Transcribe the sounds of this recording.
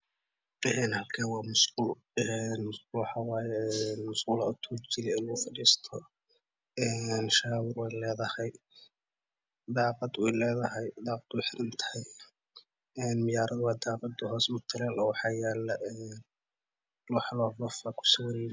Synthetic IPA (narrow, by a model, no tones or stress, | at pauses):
ɛːnhɐlkʰɛːwɑːmʊsqʊl | ɛnwɑħɑwɑːjɛnmʊsqʊːlɐʊt̪ʰut͡ʃɪlɛɪnlʊɣʊfɐɽiːst̪ʰɔ | ɛːnʃaːwɪrwɛjlɛːðɐhɛj | d̪ɑːqɑd̪wɛjlɛːðɐɦɛjd̪ɑːqɑd̪wuħɪɾɪnt̪ʰɐ̥hɛj | ɛːnmɪjaːɾɐðwɑːd̪ɑːqɑd̪ʊhɔːsmʊt̪ʰɐlɛlɔːwɑħɑːjɛːlːɐʔɛːn | lʊħlɔːvɔfakʰʊ̥sɐwɛnɪ